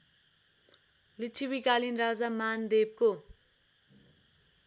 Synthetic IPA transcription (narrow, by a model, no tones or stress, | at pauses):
lit͡ʃʰiwikalinrad͡zamand̪eb̚ko